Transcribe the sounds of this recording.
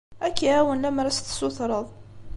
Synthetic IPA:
ækːiʕæwənlæmɾˤæst̪sʊθɾˤəðˤ

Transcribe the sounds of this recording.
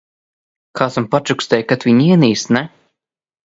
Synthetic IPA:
kʰaːsampat͡ʃukst̪ʲɛjkat̪viɲiɛniːst̪nɛ

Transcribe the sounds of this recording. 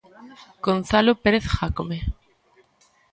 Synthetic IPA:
ɡ̥onθalopeɾeθxakome

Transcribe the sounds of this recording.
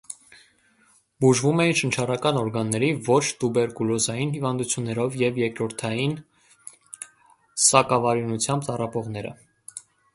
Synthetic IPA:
buʒvumɛjinʃənt͡ʃʰɑrɑkɑnɔɾɡɑnːɛɾivɔt͡ʃʰt̪ubɛɾkulɔzɑjinhivɑnd̪ut͡sʰjunːɛɾɔvjɛvjɛkɾɔɾt̪ʰɑjin | sɑkɑvɑɾinut͡sʰjɑmb̚t̪ɑrɑpɔʁnɛɾə̰

